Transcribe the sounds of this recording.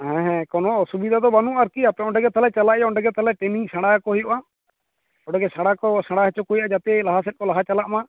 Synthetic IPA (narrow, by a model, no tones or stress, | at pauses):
hɛ̃ɦɛ̃kɔnɔsubid̪ʱad̪ɔbanũʔaɾkiapɛɔ̃ɳɖɛɡɛt̪ʰalɛt͡ʃalaʔjaɔɳɖɛɡɛt̪ʰalɛʈenisaɽakɔɦujɔʔa | ɔɳɖɛɡɛsaɽakɔsaɽaɦɛt͡ʃɔkujaʔd͡ʒat̪ɛlaɦas̬ɛt̪̚kɔlaɦat͡ʃalaʔma